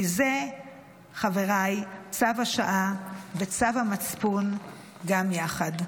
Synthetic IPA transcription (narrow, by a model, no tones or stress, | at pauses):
ize | χaveʁajt͡savaʃaʔavet͡savhamat͡spun | ɡamjaχad